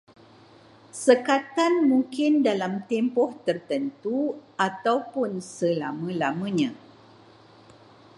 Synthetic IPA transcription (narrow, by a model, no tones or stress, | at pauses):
səkat̪anmũŋkɪndalamt̪ɛmpɔht̪ərt̪ənt̪uat̪awpʊnsəlamə̃lamə̃ɲã